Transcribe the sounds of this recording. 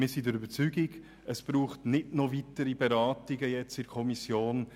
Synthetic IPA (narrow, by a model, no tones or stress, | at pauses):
mɪːɾsidəɾybət͡syɡɪɡ | əsb̥ɾuːχtnɪdnɔvitəɾibɛɾɑːtɪɡəjɛt͡sɪɾkʰɔmisjoːn